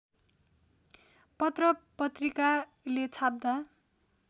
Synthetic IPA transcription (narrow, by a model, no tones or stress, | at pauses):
pʌt̪rʌpʌt̪rika | let͡sʰap̚d̪a